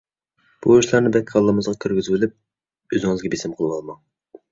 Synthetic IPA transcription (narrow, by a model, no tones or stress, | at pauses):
b̥uiʃlˠɑɾnɪbɛkʲʰːɑlˠːəmɨzʁɑkʲʰøɾɡʲyzbylyp̚ | øzɪŋɨzɡʲɛbesɪmqʰəlˠɨwɑlˠmɑŋ